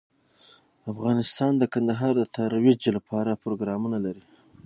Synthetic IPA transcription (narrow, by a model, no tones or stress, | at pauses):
afɣɑnɪst̪ɑnd̪əkand̪aɦɑɾd̪ət̪ʰaɾwɪd͡ʒlapʰɑɾapɾoɡɾɑmunalaɾi